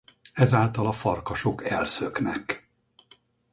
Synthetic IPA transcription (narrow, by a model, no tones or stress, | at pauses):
ɛzaːlt̪ɒlɒfɒrkɒʃo̞kɛlsøknɛk